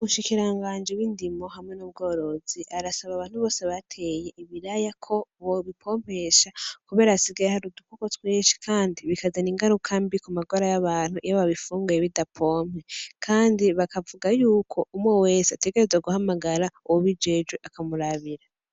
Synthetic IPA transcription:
umuʃikiɾaŋɡaːnd͡ʒiwindimo̞hamŋe̞nubɡo̞ːɾo̞ziʔaɾasaβaβaːn̥huβo̞ːseβatʰe̞je̞ʔiβiɾajakʰo̞βoβipʰo̞ːm̥he̞ʃakuβe̞ːɾasiɡajehaɾudukukotweːʃi̥kʰaːndiβikazaniŋɡaɾukʰambikumaɡoɾajaβaːn̥huʔijaβaβifuːŋɡujeβidapʰo̞ːm̥he̞kʰaːndiβakavuɡajuːkʰo̞umwewe̞ːseate̞ɡe̞ɾezweɡuhamaɡaɾauwoβid͡ʒe̞ːd͡ʒwe̞ʔakamuɾaβiɾa

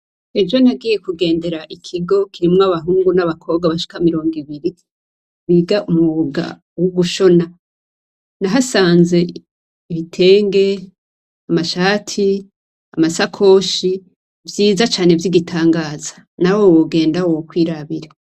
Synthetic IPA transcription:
e̞vjo̞naɡiːje̞kuɡe̞ːnde̞ɾaʔikʰiɡo̞kʰiɾimŋaβaɦuːŋɡunaβakʰo̞ːb̚ɡaβaʃi̥kamiɾo̞ːŋɡiβiɾi | βiɡaʔumuβuɡa̰ | wuɡuʃo̞na | naɦasaːnze̞ | iβitʰe̞ːŋɡe̞ | amaʃaːtʰi | amasakʰo̞ʃi | vjiːzat͡ʃaːne̞vjiɡitʰaːŋɡaːzḁ | nawowoɡe̞ːndawwokwiːɾaβiɾe

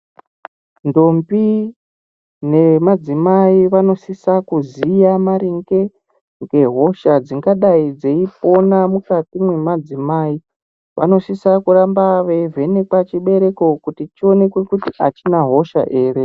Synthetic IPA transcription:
ndo̞mbi | ne̞mad͡zimaiʋano̞sisakuzijamaɾiŋɡe | ŋɡe̞ɦo̞ʃad͡ziŋɡaɗaid͡zeipo̞namukatimwemad͡zimaːi | ʋa̰no̞sisakuɾambaʋe̞ve̞ne̞kat͡ʃiɓe̞ɾe̞ko̞kutit͡ʃio̞ne̞kwekutiʔat͡ʃinaɦo̞ʃa̰ʔe̞ːre

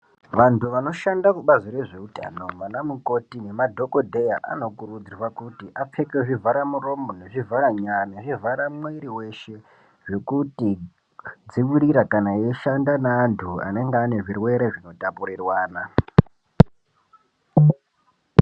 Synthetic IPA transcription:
ʋantʰuʋano̞ʃandakuɓaziɾe̞ʐe̞uta̰ːno̞manamuko̞tine̞madʱo̞ko̞dʱe̞ja̰ʔa̰no̞kurud͡zirwakutiʔap͡fekeʐivaɾamuro̞mone̞ʐivaɾaɲaneʐivʱaɾamweɾiwe̞ʃe̞ | ʐe̞kuti | d͡ziwiɾiɾakanaeʃandanaːntʰua̰ne̞ŋɡeːne̞ʐirwe̞ɾeʐino̞tapuɾirwaːna

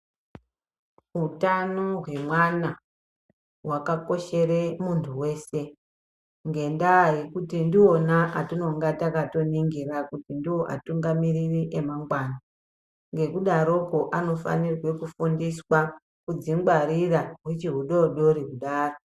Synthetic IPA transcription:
ɦutanoɦwe̞mwana | wakako̞ʃe̞re̞muntʰuwe̞ːse̞ | ŋɡe̞ndajekutindio̞naʔatino̞ŋɡatakato̞niŋɡirakutindiwo̞ʔa̰tuŋɡamiririʔe̞maŋɡwana | ŋɡe̞kuɗaɾo̞ko̞ʔano̞fa̰nirwe̞kufundiswa | kud͡ziŋɡwaɾiraɦwet͡ʃiɦuɗoɗo̞ɾikuɗaːro

